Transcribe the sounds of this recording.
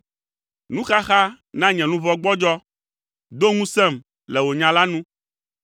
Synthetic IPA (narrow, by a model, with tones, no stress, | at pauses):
nũ˦xa˦xa˦ | nã˦ɲɛ̃˨nũ˦vɔ˦ɡ͡bɔ˦d͡ʒɔ˦ | d̪o˦ŋũ˦sɛ˦˨m | lɛ˨wo˨ɲã˨la˦nũ˦